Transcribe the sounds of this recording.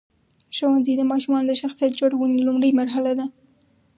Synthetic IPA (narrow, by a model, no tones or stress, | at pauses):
ʃawanzid̪əmɑʃumɑnod̪əʃaxsijat̪̚d͡ʒoɽwunilʊmɽəjmaɾɦalad̪a